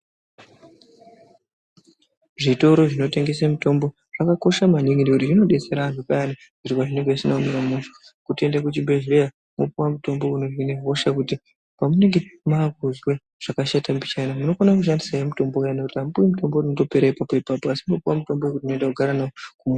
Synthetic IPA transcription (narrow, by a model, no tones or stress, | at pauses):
ʐito̞ɾo̞ʐino̞te̞ŋɡe̞s̬amuto̞mbo̞ | ʐ̥akako̞ʃamaɲeŋinikutirino̞ɗe̞t͡se̞ɾaːnupajani | kutikaʐine̞ŋɡeisinaumeɾamunso | kutie̞ndakut͡ʃimbeʐiɾeja | mopuwamuto̞mbo̞unorwineɦo̞ʃakuti | pamune̞ŋɡe̞maːkuzwe | ʐ̥akaʃatambit͡ʃenamuno̞fonakuʃandisajemuto̞mbokaanakutiɦamupuwimuto̞mbo̞rinoto̞pe̞ɾaipapo̞ipapoasimopuwamuto̞mboekurinondakuɡʱaɾanaokumu